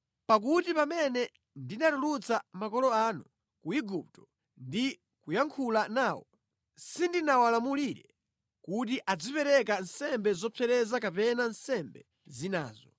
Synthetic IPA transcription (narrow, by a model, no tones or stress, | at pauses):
pak̬utipamɛnɛ | ndinatulut͡samakɔlɔanu | kuiɡup̚tɔ̥ | ndi | kujaŋkʰulanaːwɔ | sindinawalamuliɾɛ | kut̬iʔad͡zipɛɾɛk̬ansɛmbɛzɔpʰɛɾɛzakapɛnansɛmbɛ | zina̰ːzɔ